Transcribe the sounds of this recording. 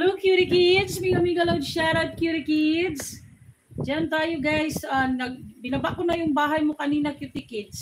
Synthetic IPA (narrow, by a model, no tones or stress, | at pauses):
hɛlowkjuɾɪkɪd̪smiɡɐmiɡɐlawd̪ʃaːɾɐd̪̚kjuɾɪkɪd̪s | d͡ʒant̪aːjoɡajsɐnɐɡ̚bɪnɐbaʔkonɐjʊŋbaːɦɐjmokɐniːnɐkjut̪ɪkɪd̪s